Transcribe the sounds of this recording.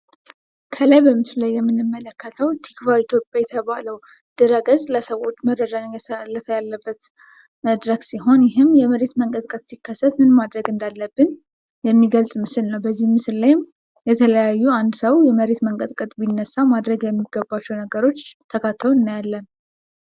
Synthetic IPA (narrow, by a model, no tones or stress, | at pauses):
kʰəlajbəmːɨsllajːɛmːɨnːɨmːələkːət̪ʰəwt̪ʰikvait̪ʰjopʼjajɛt̪ʰəβaləw | d̪̥ɨɾəɡəzʼləsəwo̞t͡ʃːmərːəd͡ʒanɨnjɛsalːəfəjalːəbːət̪ | məd̪ɾəɡsiɦo̞njɪɦɨmjɛməɾet̪məŋkʼət̪ʼkʼət̪sikʰːəsːət̪mɨnmad̪ɾəɡɨnd̪alːəbːɨn | jɛmːiɡəlsʼmɨsɨlnəwbəzːihmɨsɨllajm | jɛt̪ʰələjajːuand̪səwjɛməɾe̞t̪məŋkʼət̪ʼkʼət̪ʼbinːəsːamad̪ɾəɡjɛmːiɡəbːat͡ʃːɛwnəɡəɾo̞t͡ʃːt̪ʰəkʰat̪ʰːəlɨnːjalːən